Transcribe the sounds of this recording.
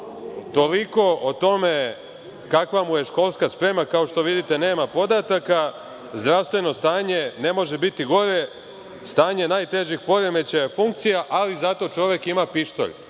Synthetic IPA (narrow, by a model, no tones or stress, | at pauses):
t̪o̞liko̞ʔot̪o̞me | kakʋamuje̞ʃko̞lˠskaspɾe̞makao̞ʃt̪o̞ʋid̪it̪e̞ne̞ːmapo̞d̪at̪aka | zd̪ɾaʋst̪ʋe̞no̞st̪aːɲe̞ne̞mo̞ʒebit̪iɡo̞ɾe̞ | st̪aːɲe̞naːjt̪e̞ʒixpo̞ɾe̞me̞t͡ɕajefuŋk̚t̪sijaʔalizat̪o̞t͡ʃo̞ʋjekimapiʃt̪o̰ʎ